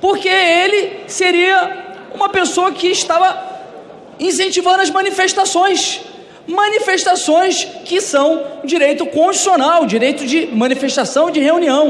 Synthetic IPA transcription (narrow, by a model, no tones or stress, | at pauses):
poɾkeelɪseɾiɐũmɐpesoɐkɪːʃt̪avɐ | ĩs̬ẽnt͡ʃivɐ̃nd̪ʊɐzmɐ̃nifeʃt̪asõj̃s | mɐ̃nifeʃt̪asõj̃skɪsɐ̃w̃d͡ʒiɾejt̪ʊkõd͡ʒisionawd͡ʒiɾejt̪ʊd͡ʒɪmɐ̃nifeʃt̪asɐ̃w̃d͡ʒɪɦeũniɐ̃w̃